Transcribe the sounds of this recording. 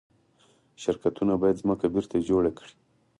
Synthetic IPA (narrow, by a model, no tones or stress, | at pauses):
ʃɪɾkat̪unabɑjad̪zməkabɪɾt̪ad͡ʒoɽakɽi̥